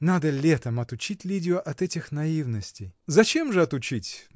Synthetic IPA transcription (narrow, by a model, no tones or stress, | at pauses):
nad̪əlʲet̪əmɐt̪ʊt͡ɕitʲlʲidʲɪʊʔɐt̪ɛtʲɪxnɐivnəsʲtʲɪjzɐt͡ɕemʐɨɐt̪ʊt͡ɕitʲ